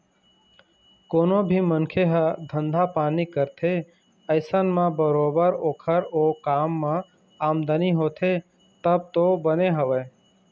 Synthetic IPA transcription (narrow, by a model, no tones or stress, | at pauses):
koːnobʱimənkʰeɦəd̪ʱə̃nd̪ʱapaːnikəɾt̪ʰe | əɪsənmãbəɾoːbəɾoːkʰəɾoːkaːmːã | aːmd̪əniɦoːt̪ʰe | t̪əb̚t̪obəneɦəʋəː